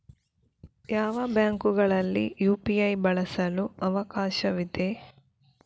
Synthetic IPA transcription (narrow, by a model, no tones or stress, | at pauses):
jaːʋɐbjaːŋkuɡɐɭɐlːḭjuːpiɐjbɐɭɐsɐluɐʋɐkaːʃɐʋid̪e